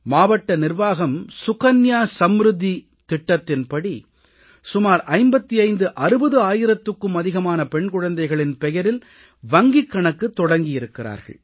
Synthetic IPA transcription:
maːʋɐʈːɐnɪrʋaːɣɐmsʊkɐnjaːsɐmɾɯðːi | t̪ɪʈːɐt̪ːɪnpɐɽi | sʊmaːɾʔɐɪmbɐt̪ːiɐɪnd̪ɯʔɐɾɯbɐðɯaːjɪɾɐt̪ːɯkːɯmɐðɪɣɐmaːnɐpɛɳkʊɻɐnd̪ɐɪɣɐɭɪnpɛjɐɾɪl | ʋɐŋɡɪkːɐɳɐkːɯt̪ːɔɽɐŋɡɪjɪɾɯkːɪra̰ːɾɣɐ̰ɭ

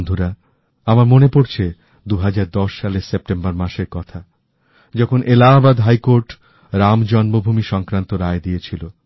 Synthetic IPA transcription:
nd̪ʱuɾa | amaɾmonepoɾt͡ɕʰe | d̪uɦad͡ʑaɾd̪ɔʃːaleɾsep̚ʈembaɾmaʃeɾkɔt̪ʰa | d͡ʑɔkʰonʔelabad̪ɦajkoɾʈ | ɾamd͡ʑɔnbobʱumiʃɔŋkɾant̪oɾaed̪iet͡ɕʰilo

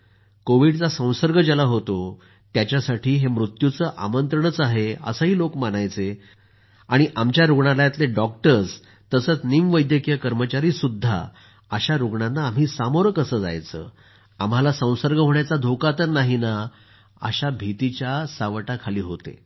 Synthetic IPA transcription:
koʋiːɽt͡sasə̃w̃səɾɡʱəd͡ʑalaɦot̪o | t̪jat͡ɕjasaʈʰiːɦemɾut̪jut͡səːʔa̰mənt̪ɾəɳət͡saɦeə̰səɦiːlokmanajt͡se | aɽ̃iʔamt͡ɕjaɾuɡɳalajet̪leɖɔk̚ʈəɾs | t̪əsəːt͡snimʋəjd̪jəkijəkəɾmət͡ɕaɾiːsud̪ʱːa̰ | əɕaɾuɡɳanːaːmɦiːsamoɾkəsəːd͡za̰jt͡sə̰ː | am̤alasə̃w̃səɾɡʱəɦoɳjat͡sad̪ʱokat̪əɾnaɦina | ə̰ɕabʱit̪it͡ɕjasaʋʈakʰaliːɦot̪ḛ

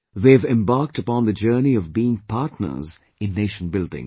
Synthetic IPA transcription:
ðeːvɛ̃mbaːk̚təpɔ̃nðəd͡ʒəːniɔvbiːɪ̃ŋpʰaːtnə̰z | ɪ̃nːeːʃə̃n̩bɪldɪ̰̃ŋ

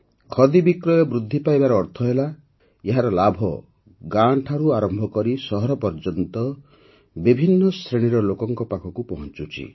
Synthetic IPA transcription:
kʰɔd̪ibikɾɔjɔbɾud̪ʱːipajbaɾɔːɾt̪ʰɔɦela | eɦaɾɔlabʱɔ | ɡaɳʈʰaɾuaɾɔmbʱɔkɔɾisɔɦɔɾɔpɔɾd͡ʒɔnt̪ɔ | bibʱinːɔst̪ɾeɽ̃iɾɔlokɔŋkɔpakʰɔkupɔɦɔ̃nt͡ʃut͡ʃʰḭ

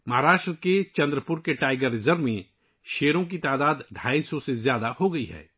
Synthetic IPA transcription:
mɐɦaɾaːʃʈɾəket͡ʃɐ̃nd̪ɾəpʊɾkeʈaːɪɡəɾːɪzəɾʋmẽ | ʃeːɾõk̬it̪aːd̪aːd̪ɖʱaːisɔsezjaːd̪ahoɡɐiɦɛ̰ː

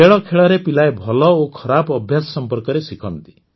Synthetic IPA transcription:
eɭɔkʰeɭɔɾepilaebʱɔlɔokʰɔɾabɔbʱjasɔ̥sɔmpɔɾkɔɾesikʰɔnt̪i̥

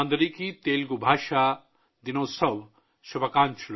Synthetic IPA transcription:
and̪ɾikit̪eːlɡubʱaːʃa | d̪inoːsɐb | ʃɐbʱɐkaːnt͡ʃʰul

